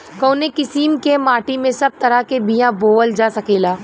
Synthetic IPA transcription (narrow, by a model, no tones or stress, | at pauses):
kɐːnekɪsiːmkemaːʈimẽsɐb̚t̪ɐɾakebijãboːəld͡ʒaːsɐkeːlaː